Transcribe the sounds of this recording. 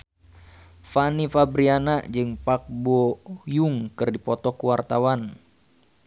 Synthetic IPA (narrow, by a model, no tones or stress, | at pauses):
fanifabɾianad͡ʒɨŋpak̚bɔjuŋkɨrdipɔt̪ɔkuwart̪awan